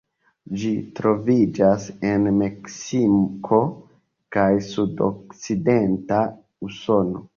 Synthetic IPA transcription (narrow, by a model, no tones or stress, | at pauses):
d͡ʒitɾo̞vid͡ʒasenmeksimkʰo̞ | kajsudo̰k̚side̞nta | uso̞no̞